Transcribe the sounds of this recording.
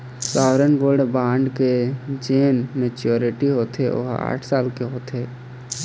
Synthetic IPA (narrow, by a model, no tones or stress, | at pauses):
saːʋɾənboːɾɖbãːɳɖked͡ʒeːnmet͡ʃoːɾɪʈiɦoːt̪ʰeʔo̰ɦa̰ːʈʰsaːlkeɦoːt̪eː